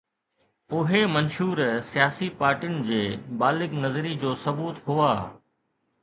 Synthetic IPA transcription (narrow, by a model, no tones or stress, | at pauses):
ʊɦemɐnʃuːɾsijaːsipaːɾʈijʊnɪ̆d͡ʑeːbaːlɪɡnɐzɾid͡ʑoːsɐbuːt̪ɦʊaː